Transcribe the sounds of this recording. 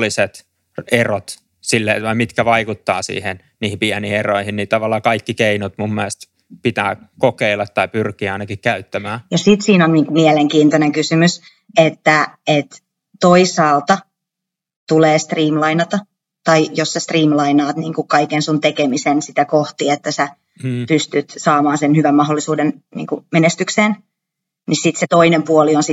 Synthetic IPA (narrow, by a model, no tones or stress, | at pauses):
lːˑiset̪ | erot̪ | silːeʋɑimit̪kæʋɑikut̪ːɑːsḭːhen | niːhimpiæniieroihinniːt̪ɑʋɑlːɑːkɑikːikeinot̪mumːiæst̪ | pit̪æːkokeilːɑt̪tɑipyrkiːɑinɑkikkæyt̪ːæmæːjɑsit̪siːnonniːŋkumiɛleŋkiːnt̪oneŋkysymys | et̪ːæet̪ | t̪oisɑːlt̪ɑ | t̪uleːst̪riːmlɑinɑt̪ɑ | t̪ɑijossæst̪riːmlɑinɑːt̪niːŋkukkɑikensunt̪ekemisensit̪ækoht̪iet̪ːæsæ | pyst̪yt̪sɑːmɑːnsenhyʋæmmɑɦolːisuːdennḭːŋkumenest̪ykseːn | nisit̪set̪oinempuolionsi